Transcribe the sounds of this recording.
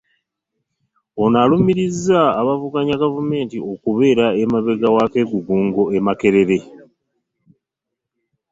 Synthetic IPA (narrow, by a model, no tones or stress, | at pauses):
o̞nalumiɾizːaːβavuɡaɲaɡavume̞ːntio̞kuβe̞ːɾaemaβe̞ɡawake̞ːɡuɡuːŋɡo̞emake̞ɾe̞ɾe̞